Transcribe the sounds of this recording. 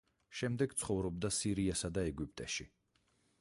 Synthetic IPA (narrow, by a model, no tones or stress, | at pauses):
ʃɛmd̪ɛɡt̪sʰχɔvɾɔb̚d̪asiɾiasad̪aɛɡipʼt̪ʼɛʃi